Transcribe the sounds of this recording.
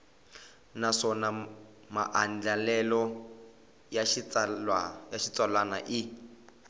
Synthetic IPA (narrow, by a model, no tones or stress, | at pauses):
naʂɔna | ma̰ʔand͡ɮalɛlɔ | ja | ajaʃit͡swalanaʔi